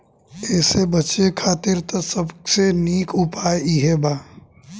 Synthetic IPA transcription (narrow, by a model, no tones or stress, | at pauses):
ɛːsebɐt͡ʃekʰaːt̪ɪɾt̪osəbseniːkʰʊpaːjiɦebaː